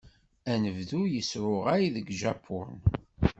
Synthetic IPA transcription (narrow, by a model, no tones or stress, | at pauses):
ænəvðujəsɾʊʁajiðəɡʒapʰːʊn